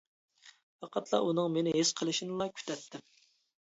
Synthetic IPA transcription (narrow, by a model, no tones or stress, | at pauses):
fɑqʰɑt̪ʰlˠɑ̰ʔunɨŋmenɪɦesqʰəlˠɨʃinɨlˠɑkʲʰy̥t̪ʰɛt̪ʰːɪm